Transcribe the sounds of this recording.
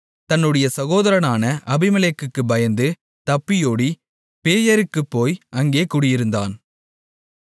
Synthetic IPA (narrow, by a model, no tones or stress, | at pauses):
t̪ɐnːɯɽɐjɐsɐɣoːðɐɾɐnaːnɐʔɐbɪmɐlekːɯkːɯbɐjɐnd̪ɯ | t̪ɐpːɪjoːɽi | peːjɐɾɯkːɯpːoːjʔɐŋɡeːkuːɽɪjɪɾɯnd̪aːn